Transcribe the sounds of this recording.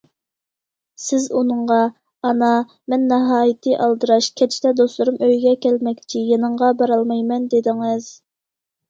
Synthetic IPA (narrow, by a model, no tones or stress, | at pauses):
sɪzunɨɴʁɑ | ɑnɑ | mɛnːɑɦɑːjit̪ʰɨʔɑlˠd̪ɨɾɑʃkʲʰɛt͡ʃʰt̪ʰɛd̪oslˠuɾumøjɡʲɛkʲɛlmɛkʲt͡ʃʰijenɨɴʁɑbɑɾɑlˠmɑjmɛnd̪ed̪ɪŋɪz̥